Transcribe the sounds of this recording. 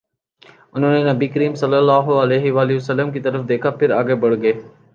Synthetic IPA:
ʊnonenɐbikəɾiːmsɐlːəlːaːɦoɐleːɦɪʋaːlɪʋəsəlːəmkit̪əɾəfd̪eːkʰapʰɪɾaːɡebɐɽ̤ɡəeː

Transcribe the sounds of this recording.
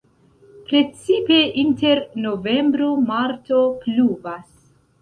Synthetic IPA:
pɾe̞t͡sipe̞ʔinte̞ɾnove̞mbɾumaɾto̞pluvas

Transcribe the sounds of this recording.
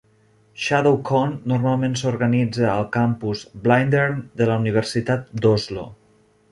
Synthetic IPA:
ʃaðowkʰɔnːuɾmalˠmensuɾɣənid͡zəːlˠkampuzblajnd̪eɾmd̪ələuniβ̞əɾsit̪at̪̚d̪ozlo̰

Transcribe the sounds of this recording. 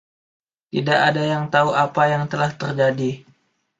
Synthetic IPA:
t̪idaʔadajaŋt̪auʔapajaŋt̪əlaht̪ərd͡ʒadi

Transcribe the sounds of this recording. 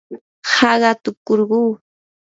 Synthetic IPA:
hɑɢɑt̪ʊkoɾɢuː

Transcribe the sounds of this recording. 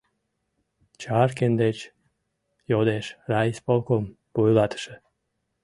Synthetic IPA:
t͡ʃɑrkend̪et͡ɕ | jod̪eʃrɑispolˠkom | pujlˠɑt̪ə̥ʃə̆

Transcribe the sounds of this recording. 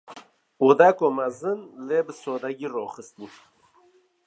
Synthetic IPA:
ud̪akomazɨnlebɨsoːd̪aɡirɔːxɨst̪ni

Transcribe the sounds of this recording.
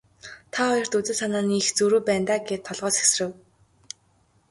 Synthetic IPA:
t̪ʰaχɔjɞ̆r̥t̪ut͡sɘ̆sanaːnixt͡suɾuːpæːnt̪aːɡeːt̪ʰːɔɮʁɔːsxe̥srɘ̆w

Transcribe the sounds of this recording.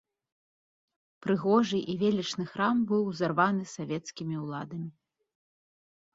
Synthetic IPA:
pɾɨɣɔʐɨʔivʲelʲit͡ʂnɨxɾambɨwzarvanɨsavʲɛt̪skʲimʲiulˠad̪ɐmʲi

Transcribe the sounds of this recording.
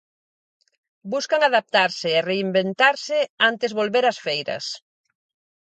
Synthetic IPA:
buskaŋaðap̚t̪aɾsɪːreimbent̪aɾsɪant̪ɪzβolβeɾɐsfejɾɐ̰s

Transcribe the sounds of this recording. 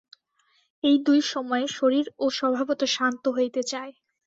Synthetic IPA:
ejd̪ujʃɔmɔeʃoɾiɾoʃɔbʱabot̪oʃant̪oɦojt̪et͡ɕae

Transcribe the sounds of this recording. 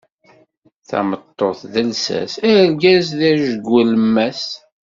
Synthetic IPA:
θæ̰mət̪ˤːoθðəlsæ̰sæɾɡæzðæʒəɡːələmːæs

